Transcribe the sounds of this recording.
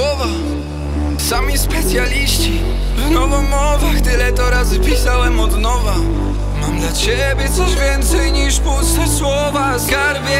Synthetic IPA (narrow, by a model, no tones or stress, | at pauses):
wɔva | samʲispɛt̪sʲjalʲiɕt͡ɕi | vnɔvɔmɔvɛft̪ɪlɛt̪ɔɾazpʲisawɛmɔd̪nɔva | mamd̪lat͡ɕɛ | bʲjɛt̪sɔʑvʲjɛnt̪sɛjɲiʂpɔst̪ɛswɔvaskaɾbʲjɛ